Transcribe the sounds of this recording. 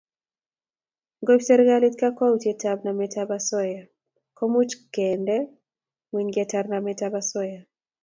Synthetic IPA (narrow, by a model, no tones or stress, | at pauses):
ɡobsɛɾɛɡalitkakwautjetab̚namɛtabasɔja | kɔmut͡ʃkɛndɛ | wiɲɡɛtarnamɛtabasɔja